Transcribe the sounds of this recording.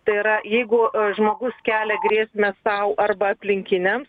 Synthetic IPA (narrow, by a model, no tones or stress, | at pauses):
t̪ɐɪɪɾɐjɛɪɡʊʒmoːɡʊskʲæːlʲɛɡɾʲiɛsʲmʲɛsɐʊʔɐrbɐɐpʲlʲɪŋʲkʲɪnʲɛms